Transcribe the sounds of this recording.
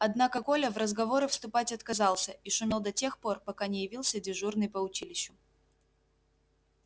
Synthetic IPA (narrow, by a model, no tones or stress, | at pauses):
ɐd̪nakəkolʲəvrəzɡɐvo̞ɾɨfst̪ʊpatʲɐt̪kɐzɑlˠsʲəiʂʊmʲelˠd̪ɐtʲe̞xpo̞rpɐkanʲɪjɪvʲilˠsʲədʲɪʐurnɨjpəʊt͡ɕilʲɪɕːʊ